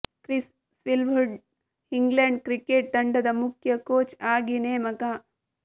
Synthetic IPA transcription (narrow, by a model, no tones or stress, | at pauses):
kɾis | sʋilʋuɖ | hiŋɡleɳɖ̚kɾikeːʈ̚d̪ɐɳɖɐd̪ɐmukʰjɐkoːt͡ʃaːɡineːmɐɡa